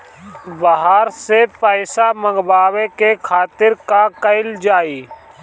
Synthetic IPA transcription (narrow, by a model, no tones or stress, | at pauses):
bəɦaːɾseːpaːɪsaːməŋɡbaːʋeːkeːkʰaːt̪ɪɾkaːkəɪld͡ʒaːiː